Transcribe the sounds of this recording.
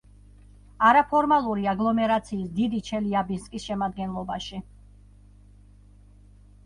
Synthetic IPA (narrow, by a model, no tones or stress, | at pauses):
aɾapʰɔɾmalˠuɾiaɡlˠɔmɛɾat̪sʰiːsd̪id̪it͡ʃʰɛliabinskʼisʃɛmad̪̚ɡɛnlˠɔbaʃi